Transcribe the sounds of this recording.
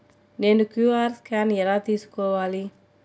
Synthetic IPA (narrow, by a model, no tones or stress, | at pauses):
nenukuarskanjɛɾat̪iskowali